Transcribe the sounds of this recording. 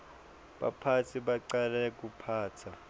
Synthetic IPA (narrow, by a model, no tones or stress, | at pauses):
ɓa̰pʰat͡sʰiɓaǀalɛk̬ʼupʰaːtʰa